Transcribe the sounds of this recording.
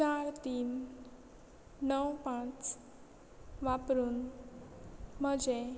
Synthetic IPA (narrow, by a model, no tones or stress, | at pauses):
t͡ʃaɾt̪in | ʌwpãt͡s | ʋapɾun | mʌd͡ze